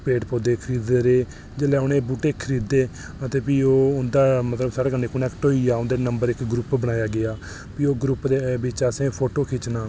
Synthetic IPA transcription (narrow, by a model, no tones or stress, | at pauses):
peːɖpoːd̪eːkʰəɾiːd̪eːɾeː | d͡ʒeːlɛːʊnẽːbuːʈeːkʰəɾiːd̪eː | ət̪eːpiːoːʊnd̪aːmət̪ləbsaːɽeːɡəneːkʊnɛːkʈoːiːaːʊnd̪eːnəmbəɾɪkɡɾʊpbəɽaːjaːɡɪaː | piːoːɡɾʊpd̪eːbɪt͡ʃaːsẽːpʰoːʈoːkʰɪt͡ʃnaː